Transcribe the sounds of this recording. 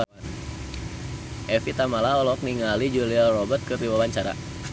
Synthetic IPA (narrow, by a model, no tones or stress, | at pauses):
an | ʔɛfit̪amalaɔlɔk̚niŋalid͡ʒulialrɔbət̪̚kɨriwawaɲt͡ʃaɾa̰